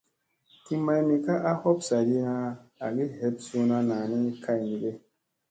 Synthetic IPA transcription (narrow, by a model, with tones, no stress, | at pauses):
ki˦ma˨jni˨ka˦ʔa˦hɔ˦psa˨ɾi˦na˦a̰˨ɡi˦he˨˦p̚su˦na˦naː˨ni˦kʰa˦jni˨ɡe˦